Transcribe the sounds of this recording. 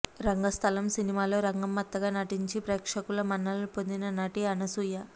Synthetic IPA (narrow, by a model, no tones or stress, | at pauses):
ɾɐŋɡɐst̪ʰɐlɐmsinimaːlo̞ːɾɐŋɡɐmːɐt̪ːɐɡaːnɐʈiɲt͡ʃipɾɛːkʂɐkulɐmɐnːɐlɐpo̞nd̪inɐnɐʈiɐnɐsujɐ